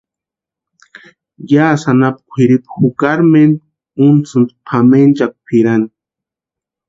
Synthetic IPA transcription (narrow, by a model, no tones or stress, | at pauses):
jaːsanap̚kʷʰiɾipxukaɾmen | unt͡sɨnd̪pʰament͡ʃak̚pʰiɾan